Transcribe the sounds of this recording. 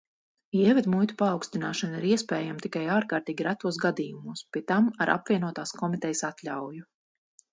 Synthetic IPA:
iɛvɛd̪mujt̪u̥paːwkst̪inaːʃɑnaiɾiɛspɛːjamt̪ikajaːɾkaːɾt̪iːɡʲiɾæt̪uɔs̬ɡad̪iːjumuːspʲiɛt̪amaɾʔa̰pvʲiɛnuɔt̪aːskʰɔmit̪ɛjsat̪lʲawju

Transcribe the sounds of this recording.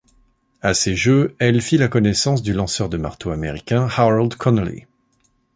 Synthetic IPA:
aseʒøɛlfilakɔnɛsɑ̃s̬d̪ylɑ̃sœʁd̪əma̰ʁt̪oameʁikʲɛ̃haald̪kʰɔnlḭ

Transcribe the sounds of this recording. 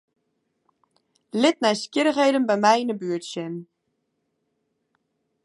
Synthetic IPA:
lɪt̚nɛjskjɪɾəχɦejdənbɛjmɛjinəbyətsjən

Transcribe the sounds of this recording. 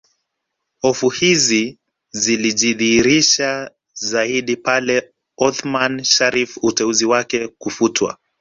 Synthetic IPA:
hɔfuhizi | ziliʄiðiiɾiʃa | zaiɗipalɛ | ɔθmanʃaɾifutɛuziwakɛkufutwa̰

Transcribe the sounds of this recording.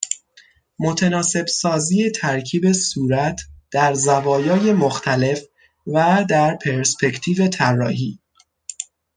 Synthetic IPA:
mot̪ʰænɒːse̞bsɒːziːet̪ʰæɾcʰiːbe̞suːɾæt̪ʰd̪̥æɾzævɒːjɒːje̞moxt̪ʰæle̞f | væd̪æɾpʰe̞ɾspʰe̞cʰt̪ʰiːve̞t̪ʰærːɒ̰ːɦiː

